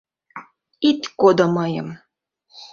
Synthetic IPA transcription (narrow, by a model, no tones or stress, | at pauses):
it̪ʲkod̪omɑjɤ̰̆m